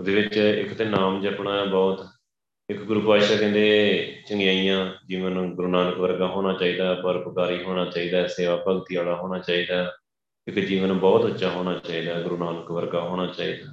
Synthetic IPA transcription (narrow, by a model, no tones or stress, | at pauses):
ʊd̪eːʋɪt͡ʃɪ̰kt̪eːnaːmd͡ʒəpɳaːbɔːt̪ | ɪkɡʊɾuːpaːʃaːkɛ̃ːnd̪eːt͡ʃəŋɡjaːijãːd͡ʒiːʋənɡʊɾuːnaːnəkʋəɾɡaːɦoːñaːt͡ʃaːiːd̪aːpəɾbəkaːɾiːɦoːɽ̃aːt͡ʃaːiːd̪aːseːʋaːpəɡt̪iːaːɭaːɦoːɽ̃aːt͡ʃaːiːd̪aː | ɪkd͡ʒiːʋənbɔːt̪ʊtːʃaːɦoːɽ̃aːt͡ʃaːiːd̪aːɡʊɾuːnaːnəkʋəɾɡaːɦoːɽ̃aːt͡ʃaːḭːd̪aː